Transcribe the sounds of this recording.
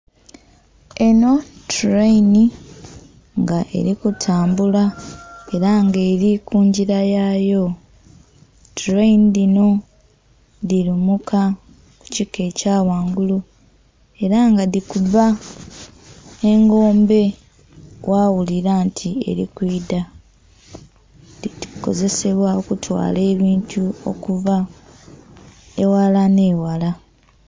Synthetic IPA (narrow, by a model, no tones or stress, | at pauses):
e̞no̞tuɾejni | ŋɡaʔe̞̰ɾikutʰaːmbulae̞ɾaŋɡeːɾikʰuːɲɟiɾajajo̞ | tuɾeinidino̞ | ðiɾumukʰa | ku̥cikːe̞caːwaːŋɡulu | e̞ɾaŋɡadikuva | eŋɡo̞ːmbe̞ | wʔawuliɾantʰie̞̰ɾḭkwiːda | diiko̞̰ze̞se̞βwaokutʰwa̰ːle̞ːβiːntʰuo̞̰kuva | ewalane̞ːwala